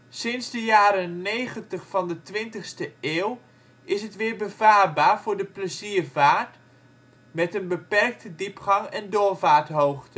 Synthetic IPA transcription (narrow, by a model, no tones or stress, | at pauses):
sɪnzdəjaːɾənejχəntəχfɑndətʋɪntəχstəeːw | ɪsɦətʋɪːɹbəvaːrbaːɹvʊːɹdəpləziːɹvaːɹt | mɛtənbəpɛrk̚tədipχɑŋɛndʊːɹvaːɹtɦowχtə